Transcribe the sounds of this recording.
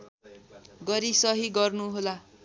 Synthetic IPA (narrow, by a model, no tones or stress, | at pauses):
ɡʌɾisʌɦiɡʌrnuɦola